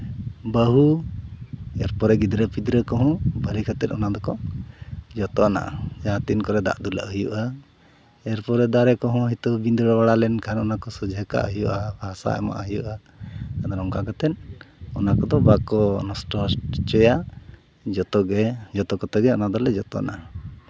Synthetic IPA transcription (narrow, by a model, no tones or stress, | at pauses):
bəɦu | ɛɾpɔɾɛɡid̪ɾəpid̪ɾəkɔɦɔ̃balikʰat̪ɛt̪ɔnad̪ɔkɔ | d͡ʒɔt̪ɔɔna̰ʔd͡ʒaãt̪inkɔɾɛd̪a̰ʔd̪ula̰ʔɦujṵʔa | ɛɾpɔɾɛd̪aɾɛkɔɦɔ̃ɦit̪ɔbind̪ɔɽɔwaɽalɛnkʰanɔnakɔsɔd͡ʒʱəka̰ʔəɦjuʔabʱasa̰ɛ̰ma̰ʔaɦjuʔa | kad̪aɾɔŋkakat̪ɛnɔnakɔd̪ɔbakɔnɔsʈɔst͡ʃɔja | d͡ʒt̪ɔɡɛd͡ʒɔt̪ɔkɔt̪aɡɛɔnad̪ɔlɛd͡ʒɔt̪ɔ̰na